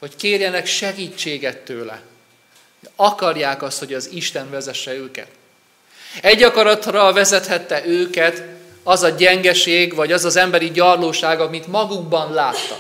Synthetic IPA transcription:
ho̞ckeːrjɛnɛkʃɛɡiːt͡ʃːeːɡɛt̪ːøːlɛ̰ | ɒkɒrjaːkɒst̪ho̞ɟɒziʃt̪ɛnvɛzɛʃːɛøːkɛ̰t̪ | ɛɟːɒkɒɾɒt̪rɒvɛzɛt̪hɛt̪ːɛʔøːkɛt̪ | ɒzɒɟɛŋɡɛʃeːɡvɒɟɒzɒzɛmbɛɾiɟɒrloːʃaːɡɒmit̪mɒɡuɡ̚bɒnlaːt̪ːɒ̰

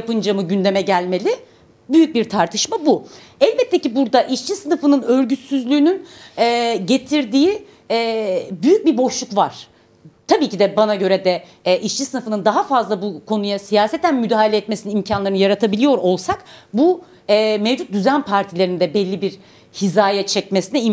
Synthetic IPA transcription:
japɯnd͡ʒamɯɟynd̪e̞mɛɟælʲme̞lʲɪ | byjyc̚biɾt̪ʰaɾt̪ʰɯʃmabu | ɛlʲbɛt̪ʰːecibuɾd̪aʔit͡ʃt͡ʃʰisɯnɯfɯnɯnø̞ɾɟyt̪syzlʲyːnynɛːɟe̞t̪ʰiɾd̪iːi | byjyc̚biɾbo̞ʃlˠukvaɾ̥ | t̪ʰabiːcid̪ɛbanaɟø̞ɾɛd̪ɛ | ʔit͡ʃt͡ʃʰisɯnɯfɯnɯnd̪aɦafazlˠabukʰo̞nujasijaːsɛt̪ʰænmyd̪aːɦhalʲɛt̪me̞sininimcʰanlˠaɾɯnɯjaɾat̪ʰabilʲijo̞ɾo̞lˠsakbu | ɛːmevd͡ʒut̪̚d̪yzænpʰaɾt̪ʰilʲe̞ɾind̪ɛbɛlʲːibiɾ | hizaːjɛt͡ʃʰɛcmesinɛi

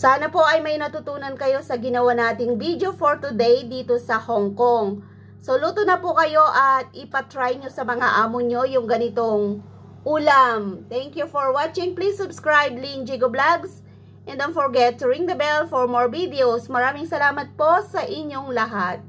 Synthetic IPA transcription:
saːnɐpo̞ʔɐjmɐjnɐt̪ʊt̪uːnɐnkɐjo̞sɐɡɪnɐwanaːt̪ɪŋbid̪jo̞foɹt̪ʊd̪ɛjd̪iːt̪o̞sɐhoŋkoŋ | soluːt̪onɐpʊkɐjo̞ʔɐt̪̚ɪpɐt̪ɹajɲo̞sɐmɐŋaʔaːmʊɲo̞jʊŋɡɐnɪt̪o̞ŋ | ʔuːlamt̪ɛŋkjufoɹwat͡ʃɪŋplisːʊbskɹajb̚lind͡ʒiɡoblaɡs | ʔɛ̃nd̪onfoɹɡɛt̪ːʊɹɪŋd̪ɐbɛlfoɹmoɹvid̪ɛosmɐɾaːmɪŋsɐlaːmɐt̪̚po̞sɐʔɪɲːo̞ŋlɐɦat̪̚

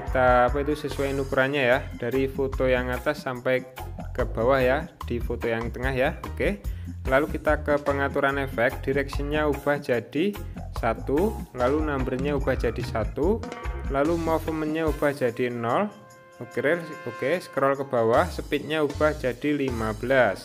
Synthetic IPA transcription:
kit̪aːpait̪usəsuwainukuɾaɲajahd̥a̤ɾifot̪ojaŋat̪asːampɛjkəb̥a̤wahjahd̪̥i̤fot̪ojaŋt̪əŋahjahokelalukit̪akəpəŋat̪uɾanefɛk̚d̥i̤ɾɛk̚sənɲaub̥a̤hd̥d͡ʒ̥a̤d̥isat̪ulalunambərɲaub̥ahd͡ʒ̥a̤d̥i̤sat̪ulalumɔfəmənɲaub̥ahd͡ʒ̥a̤d̥i̤ənɔl | okɾɪrokesə̥kəɾɔlkəb̥a̤wahsəpit̪̚ɲaub̥a̤hd͡ʒ̥a̤d̥i̤limab̥əlas

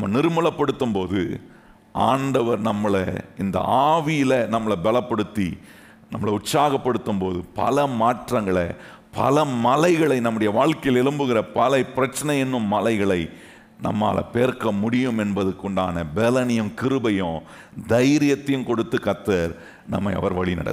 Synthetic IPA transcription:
ɐmːɐnɪɾɯmɯɭɐpːɐɽɯt̪ːɯmpoːðɯ̰ | ʔaːɳɖɐʋɐɾnɐmːɐɭɐ̰ɪnd̪ɐ̰aːʋɪjɪlɐnɐmːɐɭɐbɛlɐpːɐɽɯt̪ːḭ | nɐmːɐɭɐʊʈsaːɣɐpːɐɽɯt̪ːɯmpoːðɯpɐ̰lɐmaːʈrɐŋɡɐɭɐ̰ | pʰɐ̰lɐmɐlɐɪɣɐɭɐɪnɐmːɯɽɐjɐʋaːɻkɐjɪlɛɻɯmbɯɣɪrɐpɐlɐɪpɪɾɐt͡ʃːɐnɐjɛnːɯmːɐlɐɪɣɐɭɐɪ | nɐ̰mːa̰ːlɐ̰peːɾkɐmʊɽɪjɯmɛnbɐðɯkːɔɳɖaːnɐbɛlɐnɪjɯmkɪɾɯbɐjɔ̃ | d̪ɐjɾɪjɐt̪ːɐjɯmkɔɽɯt̪ːɯkɐt̪ːɐɾ | nɐ̰mːɐɪɐ̰ʋɐɾʋɐɭinɐ̰ɽɐ̰

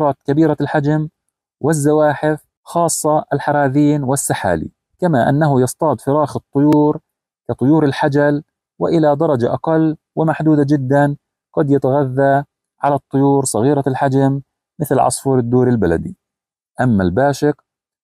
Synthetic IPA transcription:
ɾˤɑːt̪kabiːɾalħad͡ʒam | wɪzːawaːħɪf | xɑːsˤːɑɪlħɑɾˤɑːðiːnwɪsːaħa̰ːlḭ | kamaʔa̰nːaɦʊjɑst̪ˤɑːd̪fɪɾˤɑːxɨt̪ˤːʊjuːɾ | kat̪ˤʊjuːɾɪlħad͡ʒal | wɪ̰ʔɪlad̪ɑɾˤɑd͡ʒaʔɑqɑlː | wɪmaħd̪uːd̪ad͡ʒɪd̪ːan | ɡ̥ɑd̪jat̪aɣaðːa | ʕalat̪ˤːʊjuːɾsˤɑɣiːɾalħad͡ʒamː | ɪθlʕɑ̰sˤfuːɾɪd̪ːuːɾɪlbala̰d̪i | ʔamːalbaːʃɪq

